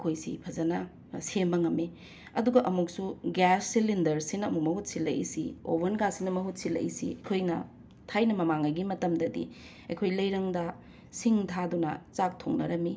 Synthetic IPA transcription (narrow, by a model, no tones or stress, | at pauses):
ɐkʰojsḭpʰɐzɐnɐ | sembɐŋɐmːi | ɐduɡɐʔɐmuk̚suɡasːilindɐɾsinɐːmumɐɦut̚silɐ̰jḭsḭo̰bʱɐnɡasinɐmɐɦut̚silɐ̰ʔḭsḭɐkʰojnɐ | tʰajnɐmɐmaŋɐjɡimɐtɐmdɐdḭ | ɐ̰jkʰojlɐjɾɐŋdɐ | siŋtʰadunɐ̰t͡ʃak̚tʰo̰ŋnɐ̰ɾɐmi